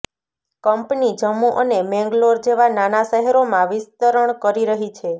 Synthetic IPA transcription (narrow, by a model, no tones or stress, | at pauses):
kəmpnid͡ʒəmuʔənemɛ̃ŋɡloɾd͡ʒeʋananaʃəɦɛɾomãʋɪst̪əɾəɳkəɾiɾəɦit͡ʃʰe